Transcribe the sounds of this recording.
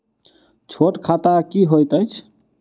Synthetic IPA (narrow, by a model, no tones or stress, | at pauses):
t͡ʃʰoʈkʰat̪akiɦojt̪əjt͡ʃʰ